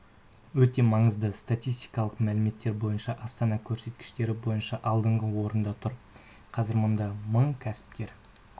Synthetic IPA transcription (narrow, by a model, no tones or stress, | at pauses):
wɵt̪e̞mɑɴəzd̪əst̪at̪ʲijst̪i̥jkɑlˠəqmælɪme̞t̪ːe̞ɾbo̞jənʃɑʔɑst̪ɑnɑkʲʰɵɾse̞t̪kʲɪ̥ʃt̪e̞ɾɪbo̞jənʃɑʔɑlˠd̪əɴʁəwo̞ɾənd̪ɑt̪ʰʊɾ | qʰɑzɪɾmʊnd̪ɑməɴkʲʰæsɪ̥p̚kʲe̞ɾ